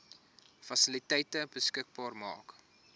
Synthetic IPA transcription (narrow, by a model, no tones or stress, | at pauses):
fɐsəlitəjtəbəskək̚bɑːrmɑ̰ːk